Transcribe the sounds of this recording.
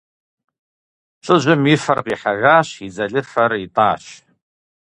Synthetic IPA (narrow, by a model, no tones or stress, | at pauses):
t͡ʃʷʼɨʒʷʊmifarqʼiħaɣaːʃid͡zaɮɨfaritʼaːʃ